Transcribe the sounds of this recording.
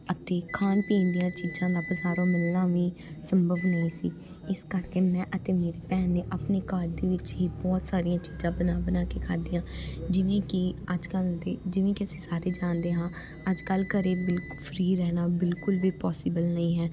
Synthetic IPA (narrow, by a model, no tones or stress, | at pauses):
ət̪eːkʰaːnpĩːnd̪ijãːt͡ʃiːd͡ʒãːd̪aːbəzaːɾãːməlːãːʋĩːsəmbəʋnəĩːsḭː | ɪskəɾkeːmɛ̃ːʔət̪eːmeːɾeːpɛːnːeːʔapneːkaːɾd̪eːʋɪt͡ʃɦiːbɔːt̪saːɾijãːt͡ʃiːzãːbənaːbənaːkeːkʰaːd̪iːãːd͡ʒɪʋẽːkɪəd͡ʒkəld̪eːd͡ʒɪʋẽːkɪəsĩːsaːɾeːd͡ʒãːnd̪eːɦãː | əd͡ʒkəlkəɾeːbɪlkpʰəɾiːɾɛːnaːbɪlkʊlʋiːpɔːsɪːbəlnəĩːɦɛː